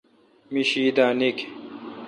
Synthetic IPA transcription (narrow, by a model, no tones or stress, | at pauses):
miɕiːd̪aːnik